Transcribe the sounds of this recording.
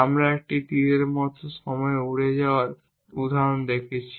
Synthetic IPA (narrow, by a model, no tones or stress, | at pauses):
amɾaek̚ʈit̪iɾeɾmɔt̪ʰoʃɔmɔeuɽed͡ʑaoaɾ | ud̪ʱaɾond̪ekʰet͡ɕʰi